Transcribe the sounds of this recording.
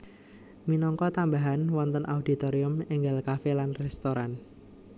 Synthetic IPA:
minɔŋkɔt̪ambaɦanwɔnt̪ənʔaudit̪oɾiʊmeŋɡalkafelanrɛst̪oɾan

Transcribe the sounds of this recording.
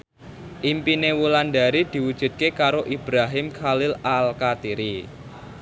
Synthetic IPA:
ʔimpinewuland̪a̤ɾid̪̥i̤wud̥ʒ̥ṳd̪̚kekaɾoʔib̥ɾaɦɪmkʰalɪlalkat̪iɾi

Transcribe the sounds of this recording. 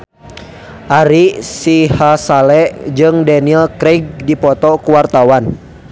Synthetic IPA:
ʔaɾisihasalɛʔd͡ʒɨŋdaniɛlkɾeɡ̚dipɔt̪ɔkuwart̪awan

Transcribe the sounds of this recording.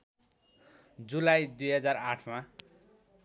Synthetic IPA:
d͡zulajd̪ujɦʌd͡zaraʈʰma

